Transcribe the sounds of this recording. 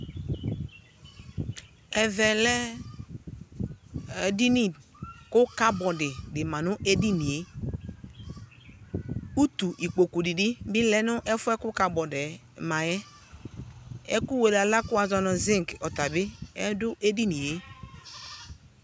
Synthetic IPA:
ɛ˨vɛ˨lɛ˦˨ | di˦ni˦˨kʊ˦ka˦bɔ˨dɪ˨dɪ˨mã˨nʊ˦ʔe˦di˦ni˨e˦ | u˦t̪u˨ʔi˨k͡po˨ku˨di˨dɪ˦bɪ˦lɛ˦nʊ˦ʔɛ˦fʊ˦ɛ˦kʊ˦ka˨bɔ˨de˨ | ma˨jɛ˦ | ɛ̰˦ku˦we˨la˨la˦kʊ˦a˨zɔ˦nɔ˨zɪ˦ŋ˨kɔ˨ta˨bɪ˦ɛ˦dʊ˦ʔe˦di˦ni˨je˨˦

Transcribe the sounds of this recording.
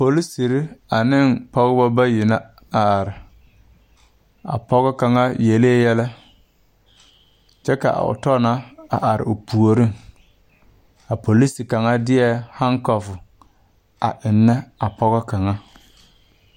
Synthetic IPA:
po˨li˦si˨ɾɪ˦a˨nɪ˦˨npɔ˦ɣɪ˦ba˦ba˦jɪ˨na˦ | a˨a˨ɾɪ˨ | a̰˨pɔ˦ɣɛ˦ka˨ŋa˦je˨leː˦jɛ˦lɛ˦ | t͡ʃɛ˦ka̰˨ʊ̰˨tɔ˦na˦a̰˨ʔa˨ɾɪ̰˨ʊ˨pu˨o˨ɾɪ˦ŋ | a˨po˨li˦si˨ka˨ŋa˦dɪ˦ɛ˦ha˦ŋkɔ˨fʊ˨ | a̰˨ʔɪ˨nːɛ˦a˨pɔ˦ɣɔ˦ka˨ŋa˦

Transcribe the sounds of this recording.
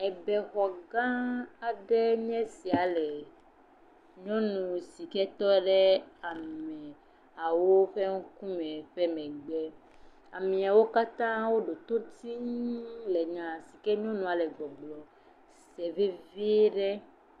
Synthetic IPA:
ɛ˨bɛ˨xɔ˨ɡã˦a˨ɖɛ˦ɲɛ̃˦si˨a˨le˨ | ɲɔ̃˦nũ˨si˨kɛ˦t̪ɔ˦ɖɛ˦a˨mɛ˨ | a˨wo˦ɸɛ˦ŋũ˦kũ˦mɛ̃˨ɸɛ˦mɛ̃˨ɡ͡bɛ˦ | a˨mĩ˨a˨wo˦ka˦t̪ã˦wo˦ɖo˨t̪o˦t̪ĩ˦le˨ɲã˨si˨kɛ˦ɲɔ̃˦nũ˨a˨lɛ˨ɡ͡bɔ˨ɡ͡blɔ˨ | sɛ˨ve˦vi˦ɖɛ˦

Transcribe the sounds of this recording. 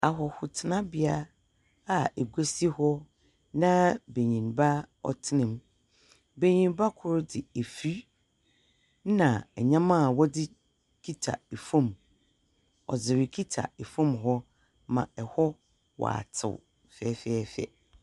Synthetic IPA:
a˨ɦɔ˨hʊ˨tʰɪ˨nã˦bɪ˨a˦ | a˨e˨ɡʷæ˦si˦hɔ˦ | nã˦be˨ɲĩ˨nba˦ɔ̰˨tʰɪ˦nɪ̃˨m | be˨ɲĩ˨n˦ba˦kʰʊ˦ɾdɪ˨e˨fi˦ | nã˨ɛ˨ɲã˦mã˦˨wɔ˦dɪ˦ | kʰi˦tʰa̰˨e˨fõ˦˨m | ɔ̰˨d͡zɪ˨ɾɪ˨kʰi˦tʰa̰˨e˨fõ˦˨mɦɔ˦ | mã̰˨ɛ˨hɔ˦ | wɔ̰˨a̰˨tʰɪ̰˨w | fɛ˨˦fɛ˦˨fɛ̰˨

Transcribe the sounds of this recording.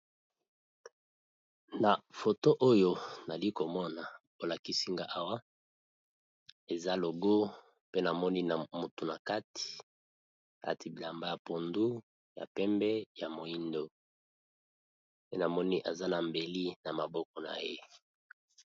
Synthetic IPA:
na˨fo˨to˦ʔo˦jo˦na˨li˦ko˨mɔ˦na˨bo˨la˨ki˦si˦ŋɡa˦ʔa˦wa˦ | e˨za˦lo˨ɡo˦ | pe˦na˨mɔ˦ni˦na˨mu˨tu˨na˨ka˦ti̥˨ | a̰˨ti˨bi˨la˨mba˦ja˨po˨ndu˦ | ja̰˨pɛ˦mbɛ˦ja˨mo˨i˦ndo˦ | pe˦na˨mɔ˦ni˦ʔa˨za˦na˨mbe˨li˦na˨ma˨bɔ˦kɔ˨na̰˨je˦

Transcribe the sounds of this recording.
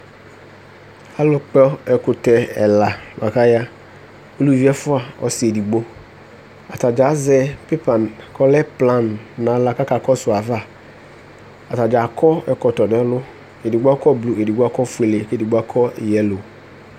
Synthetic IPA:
a˦lʊ˨k͡pɛ˦ɛ˨kʊ˨tɛ˨ɛ˨la˨ma˨ka˦ja˦ | o˦lu˦vi˦ɛ˦fʊ˦a˨ɔ̰˨sɪ˨e˨di˨ɡ͡bo˦ | a˨ta˨d͡ʒa˨˦zɛ˦pe˦pa˨nkʰɔ˦lɛ˦plã˦nːã˨˦la˨˦ka˦ka˨kɔ˦sʊ˨a˨va˦˨ | a˨ta˨d͡ʒa˨kʰɔ˦ɛ˨kɔ˨t̪ɔ˨nɛ˦lʊ˦ | e˨di˨ɡ͡ba˦kɔ˦blu˨e˨di˨ɡ͡ba˦kɔ˦fu˨e˨le˨ke˦di˨ɡ͡ba˦kʰɔ˦˨jɛ˨lo˨

